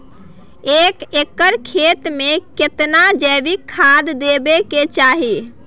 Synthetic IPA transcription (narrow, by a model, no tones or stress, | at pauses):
ekekːəɾkʰet̪meket̪nad͡ʒəbikʰːad̪ːebeket͡ʃaɦi